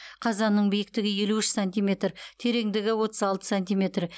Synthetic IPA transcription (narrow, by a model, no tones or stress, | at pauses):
qʰɑzɑnːəɴbijɪk̚t̪ɪɡʲɪje̞luɪʃsanʲt̪ijme̞t̪rt̪ʰe̞ɾe̞ŋd̪ɪɡʲɪwo̞t̪əzɑlˠt̪ə̥sanʲt̪ijmʲe̞t̪ɾɪ